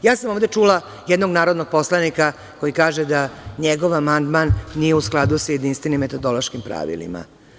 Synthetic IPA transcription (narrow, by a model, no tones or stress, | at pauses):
jaːsamoʋd̪e̞t͡ʂuːla | jed̪no̞ɡnaːɾo̞d̪no̞ɡ̚po̞slˠanika | ko̞jikaːʒed̪aɲeɡo̞ʋamand̪manːijeusklˠad̪usje̞d̪inst̪vʋe̞nimːet̪o̞d̪o̞loʃkimpɾa̰ʋḭlḭma̰